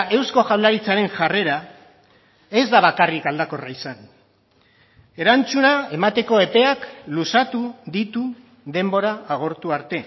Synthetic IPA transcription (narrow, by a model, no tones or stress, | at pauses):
e̞wsko̞ʝawlaɾit͡saɾe̞ŋʝare̞ɾa | e̞zd̪aβakarikald̪ako̞raisan | e̞ɾant͡sunae̞mat̪e̞ko̞e̞pe̞aklusat̪uðit̪u | ðe̞mbo̞ɾaːɣ̞o̞ɾt̪uaɾt̪e̞